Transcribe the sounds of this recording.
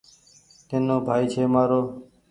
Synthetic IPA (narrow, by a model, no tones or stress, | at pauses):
t̪ɪːnːõːbʱaːiːt͡ʃʰeːmaːɾoː